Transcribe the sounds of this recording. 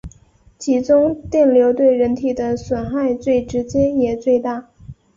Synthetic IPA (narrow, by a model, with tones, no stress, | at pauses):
t͡ɕʰi˧˥ʈ͡ʂʊ˥ŋt̪jɛ˥˩nljo˧˥ʊt̪we˥˩ɪɻə˧˥nt̪ʰi˨˩d̪ə˦swə˨˩nxa˥˧ɪt͡swe˥˩ɪʈ͡ʂɻ̩˧˥t͡ɕjɛ˥njɛ˨˩t͡swe˥˧ɪt̪a˥˩